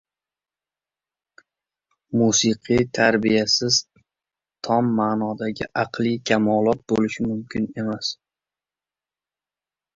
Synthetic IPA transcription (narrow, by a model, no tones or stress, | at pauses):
musɨqʰit̪ʰaɾbijasɪz | t̪ʰɒmːaːnɒd̪aɡʲɪ̰ʔɑqlˠikʲʰamɒlˠɒt̪̚bolɪʃɪmʊmkʲʰɪne̞mas